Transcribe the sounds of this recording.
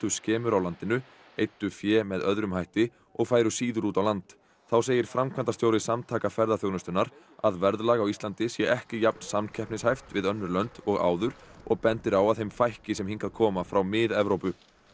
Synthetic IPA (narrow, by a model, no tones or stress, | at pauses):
t̪ʏscɛːmʏɾawlant̪ɪnʏ | ejt̪ːʏfjɛːmɛðœðɾʏmhajht̪ɪ | ɔɣfaːjɾʏsiːðʏɾuːt̪awlant̪ | θaws̬eːjɪɾ̥fɾamkʰvant̪ast̪jowɾɪsamt̪ʰaːkafɛɾðaθjownʏst̪ʏnaɾ | aðvɛɾðlaːɣawist̪lant̪ɪsjɛʔɛhcɪjap̚nsamncʰɛhpnɪshajft̪vɪðœnːʏɾlœnt̪ɔɣa̰ːwðʏɾ̥ɔɣpɛnt̪ɪɾawaðθejmfajhcɪsɛmhiŋkaðkʰɔːmafɾawmɪðɛvɾowpʏ